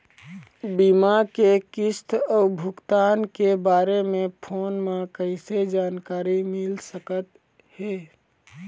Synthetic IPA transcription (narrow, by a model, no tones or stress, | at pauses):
bimakekɪst̪ɔːbʱʊkt̪aːnkebaːɾemẽpʰoːnmãkəɪsed͡ʒaːnkaːɾimɪlsəkət̪ | heː